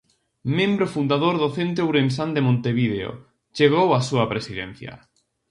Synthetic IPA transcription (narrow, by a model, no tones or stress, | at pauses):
mẽmbɾofund̪aðoɾðoθent̪̬ewɾensand̪emõnt̪eβið̞eo̰ | t͡ʃeɣ̞owasuapɾesiðḛn̟θja̰